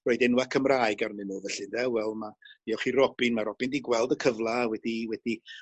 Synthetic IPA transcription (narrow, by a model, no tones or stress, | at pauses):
rɔːɨdɛnwakʰəmraːɨɡarnɪnɔvəɬɨndɛwɛlˠmaiɔχiɾɔb̥ɪnmaɾɔb̥ɪndiɡwɛlˠdəkʰəvlˠawɛdiwɛd̥i